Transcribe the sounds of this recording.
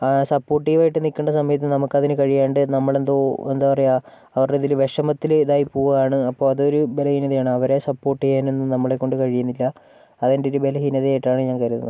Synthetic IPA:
sɐpːo̞ːʈːiɣɐʋaːjiʈːɨnikʲːuɳɖɐsɐmɐjɐt̪̬ːimnɐmukːɐðinɨkɐɻijaːɳɖɨnɐmːɐɭe̞nd̪oend̪aːpɐrɐja | ɐʋɐrɖeðilʋe̞ʂɐmɐt̪ːild̪aːjipːuːʋɐaːɳɨɐpːo̞ːɭɐðo̞ɾubelɐhinɐðɐjaːɳɨɐʋɐɾe̞sɐpːo̞ːʈːiɣaːnenːumnɐmːɐɭe̞kːo̞ɳɖɨkɐɻijunːilːɐː | ðendeoɾube̞lɐɦinɐðɐjaːjiʈːaːɳɨɲaːnkɐjɾunːɐðɨ

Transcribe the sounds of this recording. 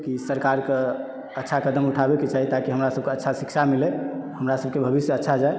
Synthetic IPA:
kisəɾkaɾke | ətːʃʰakəd̪əmuʈʰabeket͡ʃaɦit̪akiɦəmɾasəb̚keətːʃʰasikt͡ʃʰamilehəmɾasəb̚ʱkebʱəbisjətːʃʰad͡ʒae

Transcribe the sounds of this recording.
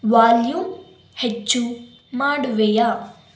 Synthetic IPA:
ʋaːljũ | het͡ʃːu | maːɽʋejaː

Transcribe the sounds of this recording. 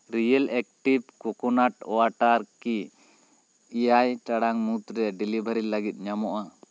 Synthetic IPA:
ɾijəlɛk̚ʈibkɔkɔnaʈɔwaʈaɾki | jajʈaɽaŋmut̪ɾɛɖilibʱaɾilaɡit̪̚ˀɲamɔʔa

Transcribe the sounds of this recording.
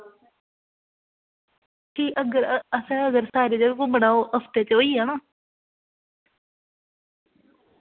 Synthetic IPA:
kʰiːʔəɡəɾəsɛ̃ːəɡəɾsaːɾeːd͡ʒəɡkõːbəɽaːoːʔəst̪eːt͡ʃoːiːɦaːnaː

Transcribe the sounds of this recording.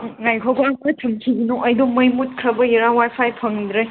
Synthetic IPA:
ŋajkʰoɡɐakɾɐtʰɐmkʰiɡinoʔɐjdomɐjmut̚kʰɾɐbɐjiɾawajpʰajpʰɐŋdɾɯj

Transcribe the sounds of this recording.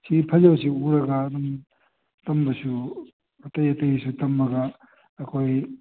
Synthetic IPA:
sʰipʰɐzɐwsiuɾɐɡaːdum | tɐmbɐsu | ɐtɐjɐtɐjsutɐmːɐɡa | ɐkʰoj

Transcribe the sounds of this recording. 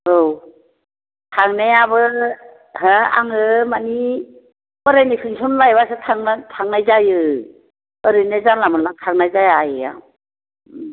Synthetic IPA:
ɯw | tʰaŋnejaβɯ | haa̰ŋɯmani | bɯɾanikʰɯŋsʰɔmlajβasɯtʰaŋatʰaŋnajzajɯ | ɯɾɯnezanlamɯnlatʰaŋnajzajajɯja̰

